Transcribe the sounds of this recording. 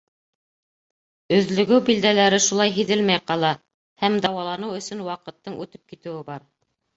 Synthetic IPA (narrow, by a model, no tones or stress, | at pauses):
ɵ̆ðlɵ̆ɡɘwbild̪ælæɾɘʃulˠɑjɦiðɘlmæjqɑlˠɑ | hæmd̪ɑwɑlˠɑnɤwɵ̆sɵnwɑqɤ̆t̪ːɤɴʔʉt̪ɘp̚kit̪ɘ̆wɘbɑɾ